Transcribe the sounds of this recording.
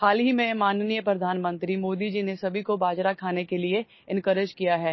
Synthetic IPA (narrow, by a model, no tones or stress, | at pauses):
xaːlɦimẽmaːnnijəpɾɐd̪ʱaːnmə̃nt̪ɾimoːd̪id͡ʒinesɐbʱikobaːd͡ʒɾakʰaːnekelie | ɪ̃nkəɾɪd͡ʒkijaɦɛː